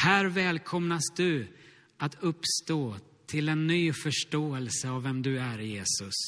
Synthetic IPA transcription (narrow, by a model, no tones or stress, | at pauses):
hæːɾvɛːlkʰɔmnasd̪ɵ | at̪ʰɵpːst̪oː | t̪ʰɪlɛnːyːfœʂʈoːɛlsəavːɛmd̪ɵæɾjeːsɵs